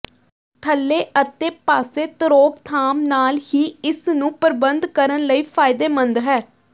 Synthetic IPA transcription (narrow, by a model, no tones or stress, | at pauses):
t̪ʰəlːeːət̪eːpaːseːt̪əɾoːkt̪ʰaːmnaːlɦiːɪsnũːpəɾbənd̪kəɾənləiːpʰaːɪd̪eːmənd̪ɦɛː